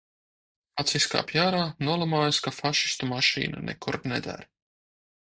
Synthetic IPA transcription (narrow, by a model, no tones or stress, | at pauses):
at̪siska̰ːpjaːɾaːnuɔlˠamaːjaskafaʃi̥st̪umaʃḭːnanʔɛ̰kuɾnɛd̪a̰ɾ